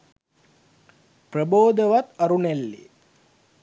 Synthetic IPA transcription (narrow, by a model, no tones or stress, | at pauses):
prəboːd̪əʋat̪ɐɾunelːḛ